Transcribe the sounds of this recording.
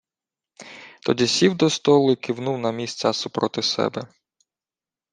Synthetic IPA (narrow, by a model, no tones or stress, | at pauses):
t̪ɔdʲisʲiwd̪ɔst̪ɔlˠʊkɪwnuwnɐmʲisʲt͡sʲɐsupɾɔt̪ɪsɛ̰bɛ